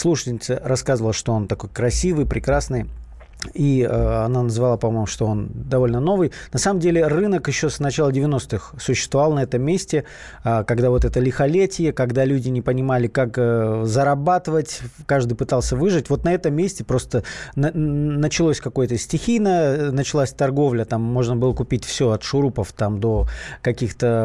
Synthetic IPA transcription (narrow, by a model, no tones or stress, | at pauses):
slˠuʂə̥tʲɪnʲɪt̪sərɐskazəvəlˠəʂt̪o̞o̞nt̪ɐko̞jkɾɐsʲivɨjpɾʲɪkɾasnɨj | iəɐnanəzvɐlˠapɐmojmʊʂt̪o̞o̞nd̪ɐvo̞lʲnəno̞vɨjnɐsaməmdʲelʲɪrɨnəkjɪɕːo̞snɐt͡ɕalˠədʲɪvʲɪno̞st̪ɨxsʊɕːɪst̪vɐvalˠnɐɛt̪əmːʲesʲtʲɪ | kɐɡd̪avo̞t̪ɛt̪əlʲɪxɐlʲetʲɪjəkɐɡd̪alʲudʲɪnʲɪpənʲɪmalʲɪkakəzəɾɐbat̪ɨvətʲkaʐd̪ɨjpɨt̪alˠsʲəvɨʐɨtʲvo̞t̪nɐɛt̪əmːʲesʲtʲɪpɾo̞st̪ənənət͡ɕɪlˠosʲkɐko̞jət̪əsʲtʲɪxʲijnəənət͡ɕɪlˠasʲt̪ɐrɡo̞vlʲət̪amːo̞ʐnəbɨlˠəkʊpʲitʲfsʲoɐt̪ʂʊɾupəft̪amd̪o̞kɐkʲixt̪ə